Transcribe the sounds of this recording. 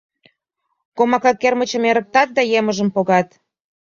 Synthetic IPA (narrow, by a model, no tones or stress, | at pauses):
komɑkɑkːermət͡ɕə̆meɾə̆k̚t̪ɑt̪̚d̪ɑjeməʒəmpoɣɑt̪